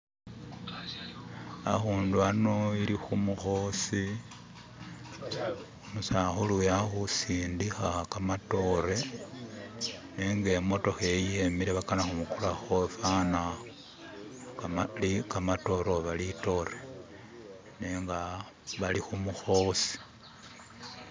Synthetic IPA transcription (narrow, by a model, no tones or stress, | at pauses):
a̰xuːnduano̞ilixumuxo̞si | omusaxulujaxusiːndixakamato̞ɾe | neŋɡemo̞to̞xejiemiɾeβakanaxumukulaxofana | likamato̞ɾoβalito̞ɾe | neːŋɡa | βalixumuxo̞si̥